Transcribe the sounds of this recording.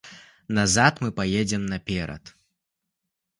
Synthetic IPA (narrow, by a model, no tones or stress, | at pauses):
nazat̪mɨpajed͡zʲɛmnɐpʲɛɾɐ̰t̪